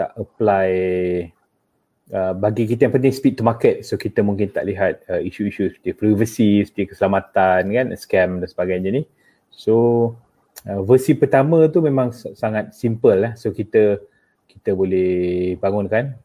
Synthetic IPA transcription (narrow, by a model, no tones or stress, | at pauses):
t̪a̰ʔəplaj | əbaɡik̬it̪əjaŋpənt̪ɪŋspit̪̚ːumakət̪̚sokit̪əmuŋkɪnt̪a̰ʔliɦat̪̚əiʃuiʃusə̥t̪iəpɾivəsisə̥t̪iəkə̥səlamat̪ankanskɛmdansəbaɡajɲəni | so | əvəsipərt̪amə̃t̪umẽmãŋsaŋat̪̚simpəlːahsokit̪ə | kit̪əbolɛhbaŋʊnkan